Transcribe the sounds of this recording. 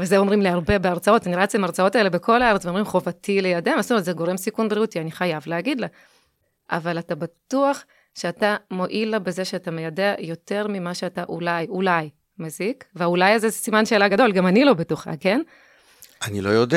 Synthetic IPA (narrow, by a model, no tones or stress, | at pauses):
vezeo̞mʁimleaʁbe̞beaʁt͡sao̞taniʁat͡semaʁt͡sao̞tae̞le̞be̞ko̞laaʁet͡sveo̞mʁimχo̞vatilejademasutzeɡo̞ʁe̞msikunbʁiut̪ianiχajavleaɡid̪la | ʔa̰valatabatuaχ | ʃeatamo̞ʔilabe̞zeʃeatame̞jadeajo̞te̞ʁmimaʃeataʔulajulaj | mezikveaulajazezesimanʃe̞ːlaɡado̞lɡamanilo̞betoχa̰ke̞n | anilojod̪e